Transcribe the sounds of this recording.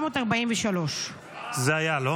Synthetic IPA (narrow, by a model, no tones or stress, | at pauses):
moːtaʁbaimvɛʃalo̞ʃ | zeajalo